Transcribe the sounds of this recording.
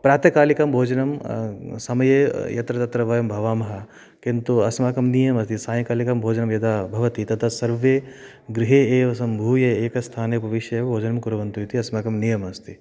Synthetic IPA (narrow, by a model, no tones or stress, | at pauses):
pɾaːt̪jɐkaːlikɐmbʱoːd͡ʒɐnɐmsɐmɐjejɐt̪ɾɐt̪ɐt̪ɾɐʋɐjɐmbʱɐʋaːmɐɦɐ | kint̪uɐsmaːkɐmnijɐmɐst̪ʰisãːjɐkaːlikɐmbʱoːd͡ʒɐnɐmjɐd̪aːbʱɐʋɐt̪it̪ɐt̪ʰasɐɾʋeː | ɡɾɪɦeeːʋɐsɐmbʱuːjɐeːkɐst̪ʰaːnepɐʋɪʃjɐjɐbʱoːd͡ʒɐnɐmkuɾɐʋɐnt̪ujut̪ʰiɐsmaːkɐmnijɐmɐst̪ʰi